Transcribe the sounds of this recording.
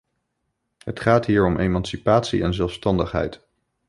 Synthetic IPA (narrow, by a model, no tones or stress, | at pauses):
ɦətχaːtɦiːɹɔmʔemɑnsipaːtsiɛnzɛlˠfstɑndəχɦɛ̰jt